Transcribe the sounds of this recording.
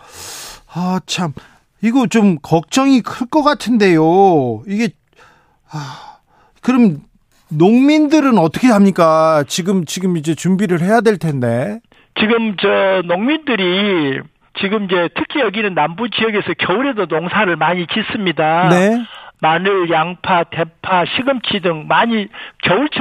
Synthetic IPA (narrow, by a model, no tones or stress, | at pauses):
ʌt͡ɕʰam | iɡot͡ɕomkʌk̚t͡ɕ͈ʌŋikʰɯɭk͈ʌk͈atʰɯnde̞joiɡe̞ | a | kɯɾʌm | noŋmindɯɾɯnʌt͈ʰʌkʰeɦamɲik͈at͡ɕiɡɯmt͡ɕiɡɯmid͡ʑe̞t͡ɕumbiɾɯɭhe̞jadweɭtʰe̞nde̞ | t͡ɕiɡɯmt͡ɕʌnoŋmindɯɾi | t͡ɕiɡɯmid͡ʑe̞tʰɯkʰijʌɡinɯnːambud͡ʑijʌɡe̞sʰʌkjʌuɾe̞donoŋsʰaɾɯɭmaɲit͡ɕis͈ɯmɲidane̞manɯɭjaŋpʰate̞pʰaɕʰiɡɯmt͡ɕʰidɯŋmaɲikjʌuɭt͡ɕʰ